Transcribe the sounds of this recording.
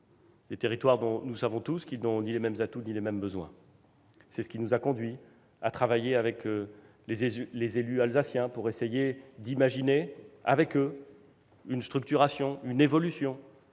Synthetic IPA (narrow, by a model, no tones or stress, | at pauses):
d̪et̪eʁit̪waʁd̪ɔ̃nusavɔ̃t̪uskʲilnɔ̃nilemɛmzat̪unilemɛmbəzwɛ̰̃ | sɛsə̥kʲinuzakɔ̃d̪ɥi | at̪χavajeavɛk | lezlezelyalzasjɛ̃puʁesejed̪imaʒinea̰vɛkø | ynst̪χyk̚t̪yʁasjɔ̃ynevɔlysjɔ̃